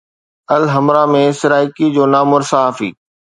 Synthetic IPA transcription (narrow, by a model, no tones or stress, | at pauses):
ɐlɦɐmɾamẽsɪɾaːɪkid͡ʑoːnaːmʊɾsaaːfḭː